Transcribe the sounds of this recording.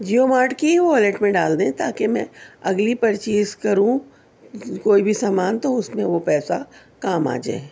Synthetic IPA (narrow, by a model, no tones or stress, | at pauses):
d͡ʒijoːmaːɾʈkiʋoɐleʈmẽɖaːld̪ẽt̪aːkemɛ̃ɐɡlipɐɾt͡ʃiːzkɐɾũ | koːibʱisaːmaːnt̪oʊsmẽʋopɛːsa | kaːma̰ːd͡ʒa̰e